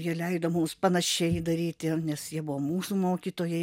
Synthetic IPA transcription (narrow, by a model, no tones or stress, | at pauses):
jiɛlʲɛɪd̪oːmʊmspɐnɐʃʲɛɪd̪ɐɾʲiːt̪ʲɪnʲɛsjiɛbʊʋoːmuːsumoːkʲiːt̪oːjɛɪ